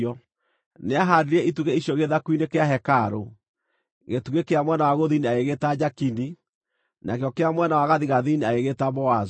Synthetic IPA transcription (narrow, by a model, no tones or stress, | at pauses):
ɔ | neaɦaɾiɾɛituɣɛiɕjoɣeðakwinekeaɦɛkaɾo | ɣetuɣekeamwɛnawaɣoðiniaeɣetad͡ʑakini | nakjɔkeamwɛnawaɣaðiɣaðiniaeɣetaβɔaz